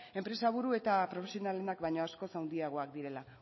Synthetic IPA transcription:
e̞mpɾe̞saβ̞uɾue̞t̪apɾo̞fesio̞nale̞nakbajɲo̞asko̞sawnd̪iaɣ̞o̞akd̪iɾe̞la

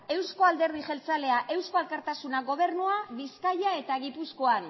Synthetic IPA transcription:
e̞wsko̞ald̪e̞ɾð̞iʝe̞lt͡sale̞aʔe̞wsko̞alkaɾt̪asunaɡo̞β̞e̞ɾnuaβiskajae̞t̪aɣipusko̞an

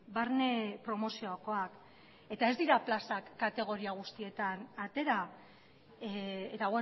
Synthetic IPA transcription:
baɾne̞pɾo̞mo̞sio̞ako̞ak | e̞t̪ae̞zd̪iɾaplasakːat̪e̞ɣ̞o̞ɾiaɣ̞ust̪ie̞t̪anat̪e̞ɾa | et̪aɣwe

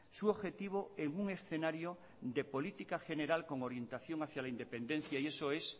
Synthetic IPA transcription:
suoβxe̞t̪iβ̞oeŋuŋe̞sθe̞naɾjo | d̪epo̞lit̪ikaxe̞ne̞ɾalko̞ŋo̞ɾje̞nt̪aθjo̞ŋaθjalaind̪e̞pẽ̞nd̪e̞n̟θjaie̞soe̞s

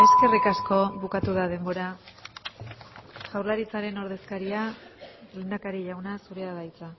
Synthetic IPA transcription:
e̞ske̞rikasko̞βukat̪uðað̞e̞mbo̞ɾa | ʝawɾlaɾit͡saɾe̞no̞ɾðe̞skaɾia | le̞nd̪akaɾiʎawnasuɾe̞aðajt͡sa

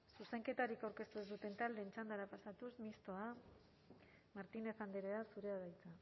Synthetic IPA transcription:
suse̞ŋke̞t̪aɾikawɾke̞st̪uezd̪ut̪e̞nt̪ald̪e̞ːnt͡ʃand̪aɾapasat̪usmist̪o̞a | maɾt̪ine̞θand̪eɾeasuɾeaðajt͡sa

